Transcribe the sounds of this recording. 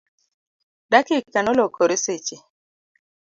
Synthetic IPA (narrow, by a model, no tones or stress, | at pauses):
dakekːanɔlokʰoɾeset͡ʃe